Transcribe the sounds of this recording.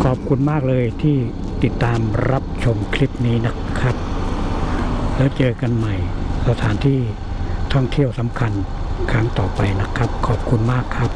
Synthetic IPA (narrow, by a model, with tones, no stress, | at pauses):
kʰɔː˨˩p̚kʰu˧nmaː˥˩k̚lɤː˧jt̪ʰiː˥˩ | t̪i˨˩t̪ːaː˧mɾa˦˥p̚t͡ɕʰo˧mkʰli˦˥p̚niː˦˥na˦˥kʰːa˦˥p̚ | lɛː˦˥wt͡ɕɤː˧ka˧nma˨˩jsa˧t̪ʰaː˩˦nt̪ʰiː˥˩ | t̪ʰɔ˥˩ŋt̪ʰi˥˩əwsa˩˦mkʰa˧n | kʰɾa˦˥ŋt̪ɔː˨˩pa˧jna˦˥kʰːa˦˥p̚kʰɔː˨˩p̚kʰu˧nmaː˥˩kʰːa˦˥p̚